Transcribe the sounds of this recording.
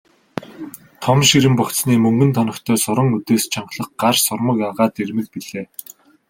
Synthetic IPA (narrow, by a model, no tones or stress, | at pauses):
t̪ʰɔmʃiɾɘ̆mpɔkt͡s̪sniːmɵŋɡɵ̆nt̪ʰɔnɞ̆kt̪ʰœːsʊɾə̆ŋut̪eːst͡ɕʰaɴɢɮə̆χɢarsʊrmə̆kjaʁaːt̪ermɘ̆kpiɮeː